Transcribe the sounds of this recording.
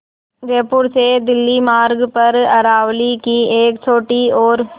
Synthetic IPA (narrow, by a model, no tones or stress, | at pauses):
ɡeːpuːɾseːd̪ɪlːimaːɾɡpɐɾɐɾaːʋlikieːkt͡ʃoːʈːioːɾ